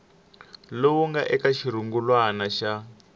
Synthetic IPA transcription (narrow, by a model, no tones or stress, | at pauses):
lowuŋɡaʔɛkaʃiɾuŋɡulwanaʃa